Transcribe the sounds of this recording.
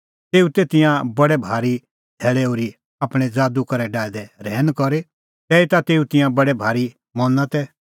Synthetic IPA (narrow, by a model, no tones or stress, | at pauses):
t̪eːut̪et̪ɪ̃jãbɐɽɛbʱaːɾi | d̪ʰʱɛːɭɛoɾi | aːpɽ̃ɛ̃d͡zaːd̪ukɐɾɛɖaːd̪ɛɾɛːnkɔɾe | t̪ɛːit̪at̪eːut̪ɪ̃jãbɐɽɛbʱaːɾi | mɔnat̪ɛ